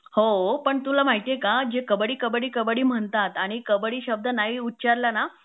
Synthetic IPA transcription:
hopəɳt̪ulam̤aɦit̪ekad͡ʑekəbəɽiːkəbəɽiːkəbəɽiːm̤əɳt̪at̪aɽ̃ikəbəɽiːɕəb̚d̪ʱənaɦiːutːt͡ɕaɾlana

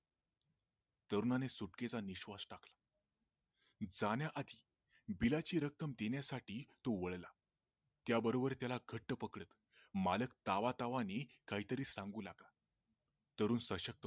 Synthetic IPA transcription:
t̪əɾunanesuʈket͡saniɕʋasʈaklḁ | d͡zanjaʔad̪ʱiː | bilat͡ɕiːɾəkːəmd̪enjasaʈiːt̪oʋəɭla | t̪jabəɾobəɾt̪jalaɡʱəʈːəpəkɽət̪ | maləkt̪aʋat̪aʋanikaɦiːt̪əɾiːsãŋɡuːlaɡla | t̪əɾuːnsəɕək̚t̪ə

